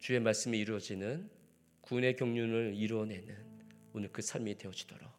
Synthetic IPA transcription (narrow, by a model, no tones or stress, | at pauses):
t͡ɕue̞maɭs͈ɯmiːɾuʌd͡ʑinɯn | kune̞kjʌŋɲunɯɭiɾwʌne̞nɯnonɯɭkɯsʰaɭmide̞ʌd͡ʑʰi̥d̥ʌɾa̰